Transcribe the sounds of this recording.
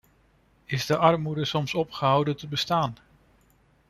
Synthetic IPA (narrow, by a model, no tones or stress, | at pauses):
ɪzdəʔɑɹmudəsɔmsɔpχəɦʌwdətəbəstaːn